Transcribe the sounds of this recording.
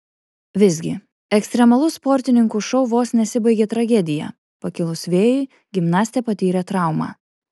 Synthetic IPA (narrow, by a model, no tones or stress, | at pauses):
ʋʲɪzʲɡʲɪ | ɛksʲt̪ʲɾʲɛmɐlˠʊspɔɾʲt̪ʲɪnʲɪŋkuʃɐʊʋoːsnʲɛsʲɪbɐɪɡʲeːt̪ɾɐɡʲɛd̪ʲɪjɛ̰ | pɐkʲɪlˠʊsʋʲeːjʊɪ | ɡʲɪmnɑːsʲt̪ʲeːpɐt̪ʲiːɾʲɛt̪ɾɑˑʊmɑ̰ː